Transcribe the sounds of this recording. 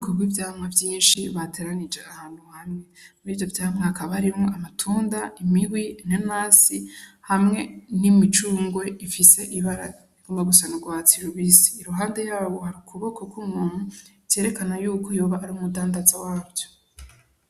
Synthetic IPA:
koɡwivjaːhmŋavjiːnʃiβatʰe̞ːɾanid͡ʒeʔahaːn̥huhamŋe̞muɾiːvjo̞vjaːmŋahakaβaɾimŋoamatʰuːndaimiɡwinenaːsihamŋe̞nimit͡ʃuːŋɡwe̞ifise̞ʔiβaɾa̰ | omeɡusanuɡwaːt͡siɾuβisi̥ːɾuɦaːnde̞jaːβohaɾikʰuβo̞ko̞kwumŋuːn̥huɾje̞ːɾe̞kanajuːkʰojoːβaʔːɾiumudaːndazawaːbjo̥

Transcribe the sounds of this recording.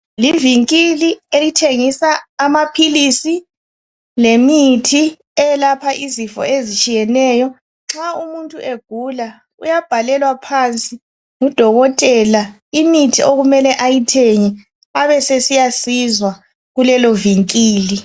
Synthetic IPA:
liviŋkʼilielitʰeŋisaːmapʰilisi | lemitʰi | ɛlapʰaʔizifɔ̰ezit͡ʃʼijɛnɛjɔ | ŋ͡ǁaumuntʼuʔeɡ̥ʱula | ṵjab̥ʱalɛlwapʰant͡sʼi | ŋud̥ʱɔɣɔtʼɛla | imitʰiʔoɣumɛlɛʔajitʰeŋi | aβɛsesijasizwa | ɣulɛlɔviŋkʼiːli

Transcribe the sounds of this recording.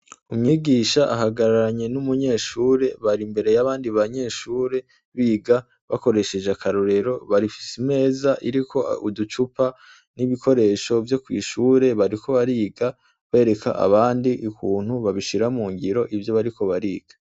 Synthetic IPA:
umŋiːɡiːʃaʔaɦaɡaɾaɾaɲe̞numuɲe̞ːʃuːɾe̞βaɾimbe̞ɾe̞jaβaːndiβaɲe̞ːʃuːɾe̞ | βiːɡa | βako̞ɾe̞ʃe̞d͡ʒeakʰaɾoɾe̞ɾo̞βaɾifi̥sime̞ːzaʔiɾikʰo̞udut͡ʃupa | niβikʰo̞ɾe̞ːʃo̞vjo̞kwiːʃuːɾe̞βaɾiko̞βaɾiːɡa | βe̞ːɾe̞kʰa̰ʔa̰βaːndiʔukuːn̥huβaβiʃiɾamuːŋɡiɾo̞ʔivjo̞βaɾikʰo̞βaɾiːɡ̥a

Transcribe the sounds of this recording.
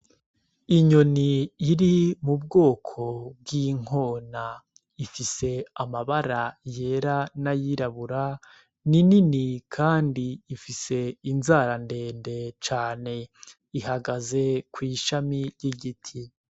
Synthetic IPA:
iɲo̞niːɾimubɡo̞ːkʰo̞b̚ɡiːŋ̥o̞ːna | ifise̞amaβaɾaje̞ːɾanajiɾaβuɾa | nininikʰaːndiːfise̞inzaːɾande̞ːnde̞t͡ʃaːne̞ | ihaɡaze̞kwiːʃamijiɡitʰi

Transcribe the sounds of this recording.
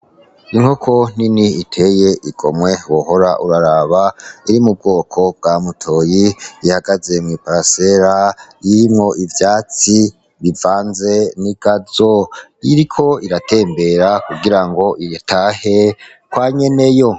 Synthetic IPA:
iŋhokʰo̞n̥iniitʰe̞je̞ʔiɡ̥o̞mwe̞woho̞ɾaʔuɾaɾaːβaiɾimub̚ɡoːkʰo̞b̚ɡ̥amutʰo̞jiihaɡaze̞mŋipaɾase̞ɾajiɾimŋo̞ʔivjaːt͡si | βivaːnze̞niɡ̥azoiɾikʰo̞iɾatʰe̞ːmbe̞ɾakuɡiɾaŋɡo̞ʔitʰaːhe̞ | kwaːɲe̞ne̞jo̞

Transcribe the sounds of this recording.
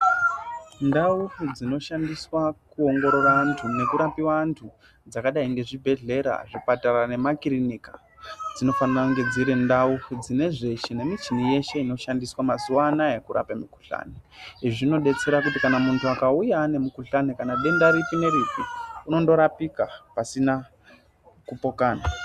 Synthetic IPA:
ndaud͡zino̞ʃandiswakuo̞ŋɡo̞ɾorantʰune̞kuɾapiwantʰu | d͡zakaɗaiŋɡe̞ʐibʱe̞ɮe̞ɾa̰ʐipataɾane̞makiɾinika | d͡zino̞fanirakuŋɡe̞d͡ziɾindaud͡zine̞ʐe̞ʃine̞mit͡ʃinije̞ʃe̞ino̞ʃandiswamazuwanae̞kuɾa̰pamiku̥ɬa̰neiʐʐino̞ɗe̞t͡se̞ɾak̬utikanamuntʰuakaujaːne̞mukuɬanekanaɗe̞ndaɾipine̞ɾipiuno̞ndo̞ɾapikapasina | kupo̞kaːna

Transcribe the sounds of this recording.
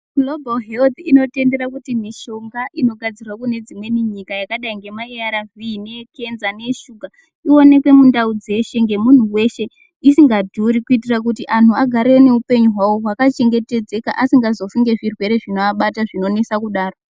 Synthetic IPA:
lo̞balɦelt̪ino̞te̞nde̞ɾakutimiʃo̞ŋɡaʔino̞ɡʱad͡zirwakune̞d͡zimwe̞niɲikajakaɗaiŋɡe̞maeaɾaviːneke̞nzane̞ʃuɡʱa | io̞ne̞kwe̞mundaud͡ze̞ʃe̞ŋɡe̞mun̤uwe̞ʃe̞ | isiŋɡadʱuɾikuit̬irak̬utiʔantuaɡʱaɾene̞upe̞ɲuɦwawoɦwakat͡ʃe̞ŋɡe̞te̞d͡ze̞kaʔasiŋɡazo̞fuŋɡe̞ʐirwe̞ɾe̞ʐinoaɓataʐino̞ne̞sakuɗaːro

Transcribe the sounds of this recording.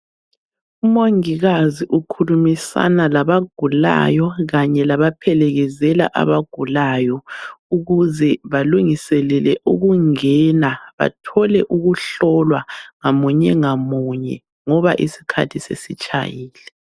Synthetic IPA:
umoŋiɣaziʔukʰulumisa̰nalaβaɡ̥ʱula̰jɔɣaɲɛlaβapʰɛlɛɣɛzɛla̰ʔa̰βaɡ̥ʱulajɔuɣuzɛβaluŋisɛlɛlɛʔuɣuŋɛnaβa̰tʰɔlɛʔuɣuɬɔlwaŋamuɲɛŋamuɲɛ̰ | ŋɔβa̰ʔisi̥kʰa̰tʰisḛsit͡ʃʼa̰jiːlɛ

